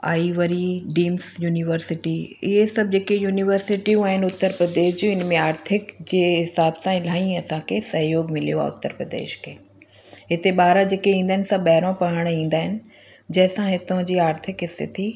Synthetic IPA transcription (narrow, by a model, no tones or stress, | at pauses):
a̰ːiʋəɾiɖiːmsjuːnɪʋəɾsɪʈiɪɦesɐb̚d͡ʑeːkejuːnɪʋəɾsɪʈiũaːɦɪnʊt̪ːəɾpɾəd̪eːʃd͡ʑoːɪnmẽaːɾt̪ʰɪkd͡ʑeːɦɪsaːbsãɪl̤aːĩɐsãkʰesɐɦjoːɡmɪlijoa̰ʊ̰t̪ːəɾpɾəd̪ḛːʃkʰeː | ɦɪt̪eɓaːɾad͡ʑeːkeĩːnd̪aɦɪnɪsãɓɛɦɪɾõpɐɽ̤əɽ̃ĩːn̆d̪aːɦɪnɪ̆ | d͡ʑɐ̃ɦɪ̃sãɦɪt̪õd͡ʑiːaːɾt̪ʰɪkɦɪst̪ʰɪt̪ʰi